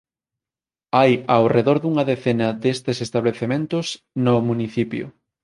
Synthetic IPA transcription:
ajawreðoɾðuŋɐðeθenɐd̪est̪esest̪aβleθemẽnt̪ʊs | nʊmuniθipjʊ̰

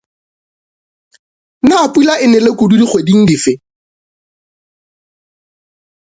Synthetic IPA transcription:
napʼwilaʔɪnɛlekʊdudiχwediŋ̩difɪ

